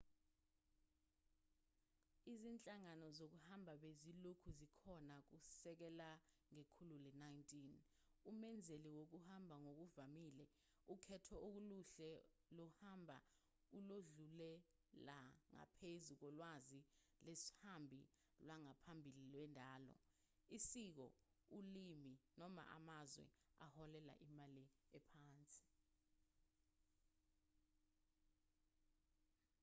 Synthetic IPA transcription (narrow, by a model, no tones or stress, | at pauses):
izint͡ɬʼaŋanɔzok̬uhambʱaɓezilukʰuzikʰɔnak̬usɛk̬ɛla | ŋekʰululɛnajintʼin | umɛnd͡zʱeliwok̬uhambʱaŋok̬uvamiːlɛ | ukʰɛtʰɔʔok̬uluɬɛ | lɔhambʱa̰ | uloɮulɛ | laŋa̰pʰezuk̬ɔlwazi | leshambʱi | lwaŋapʰambʱililwɛndʱaːlɔ̰ | isik̬ɔ̰ | uliminɔma̰ʔa̰mazwɛ̰ahɔlɛla̰ʔimaliɛpʰaːnt͡sʼi̥